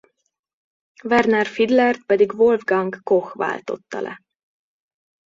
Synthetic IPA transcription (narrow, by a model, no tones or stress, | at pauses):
vɛrnɛrfid̪lɛrt̪̚pɛd̪iɡvolvɡɒŋɡːoxʋa̰ːlt̪o̞̰t̪ːɒ̰lʔɛ̰